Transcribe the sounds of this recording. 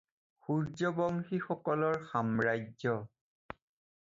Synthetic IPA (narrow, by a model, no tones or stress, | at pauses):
xuɹd͡ʒɔbɔŋxixɔkɔlɔɹxamɹajd͡ʒzɔ